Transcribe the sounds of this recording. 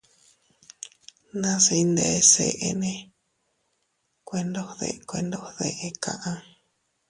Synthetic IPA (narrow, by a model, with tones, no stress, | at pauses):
nã˦se˧i˧nd̪e˧e˧se˧˨ʔe˧nẽ˦ | kʷe˧nd̪o˦hðḛ˧ʔkʷe˧nd̪o˦hðe˧˨ʔe˧kʰã̰˧ʔã˧